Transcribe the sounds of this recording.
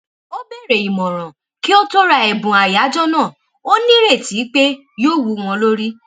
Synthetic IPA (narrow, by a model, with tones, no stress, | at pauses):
o˦be˦˨ɾe˨i˨mɔ̃˨ɾ̃ɔ̃˨ | ki˦o˦to˦ɾa˧ɛ˨bũ˨a˨ja˨˦d͡ʒɔ˦nãː˦˨ | o˦nĩ˦ɾe˦˨ti˨˦k͡pe˦ | joː˦wu˧w̃ɔ̃˧lo˦ɾi˦